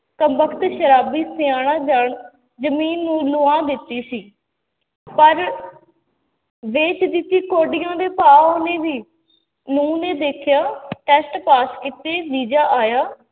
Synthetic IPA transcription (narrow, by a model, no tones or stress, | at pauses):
kəmbəkʰt̪ʃəɾaːbiːsɪjaːɽ̃ãːd͡ʒaːɳ | d͡ʒəmiːnːũːloːãːd̪ɪt̪ːiːsiː | pəɾ | ʋeːt͡ʃd̪ɪt̪ːiːkoːɖɪjãːd̪eːpaːoːnẽːʋiː | nũːnẽːd̪eːkʰjaːʈɛːsʈpaːskiːt̪eːʋiːd͡ʒaːʔaːjaː